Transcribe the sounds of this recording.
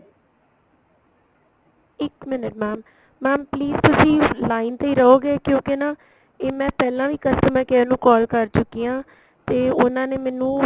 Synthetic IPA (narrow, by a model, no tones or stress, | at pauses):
ɪkmɪnəʈmɛːmː | ɛːmpliːzt̪ʊsĩːlaːiːnt̪eiːɾəɦoːɡeːkjõːkena | eːmɛ̃ːpɛːlãːʋiːkəst̪əmãːkɛːnũːkɔːlkəɾt͡ʃʊkːiːãː | t̪eːʊnãːneːmɛːnũː